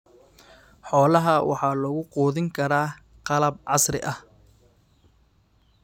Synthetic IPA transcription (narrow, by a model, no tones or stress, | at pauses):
ħɔːlɐɦɐwʔɑ̰ħɑːlɔɣʊquːðɪŋkʰɐɾaː | qɑlɐbʕɑsrɪ̰ʔɐh